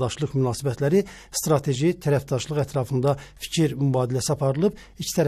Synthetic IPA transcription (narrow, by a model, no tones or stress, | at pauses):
d̪ɑʃlˠɯɣmynɑːsibæt̪ʰlæɾi | st̪ɾɑt̪ʰe̞ʒit̪ʰæɾæfd̪ɑʃlˠɯɣæt̪ʰɾɑfɯnd̪ɑfi̥cʰiɾmybɑːd̪ilæsiɑpʰɑɾɯlˠɯb | icʰi̥t̪ʰæɾ